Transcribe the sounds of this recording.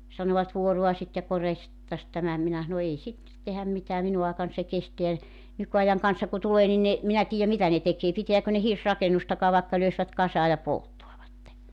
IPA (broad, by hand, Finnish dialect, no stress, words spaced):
sɑnoʋɑt ʋuoruɑsit jɑ korjɑsit tɑs tæmæ minæ s̞ɑno ei sitːet tehæm mitæː minu ɑekɑn se kesteæ nykyɑjɑŋ kɑnsɑ ku tuleː ni ne minæ tiːjæ mitæ ne tekeː pitiækø ne hirsrɑkenustɑkɑː ʋɑekːɑ løisʋæt kɑsɑː jɑ poltːoɑʋɑtːe